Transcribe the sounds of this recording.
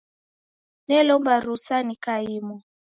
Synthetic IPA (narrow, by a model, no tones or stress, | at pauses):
nɛlɔmbaɾusanikaimɔ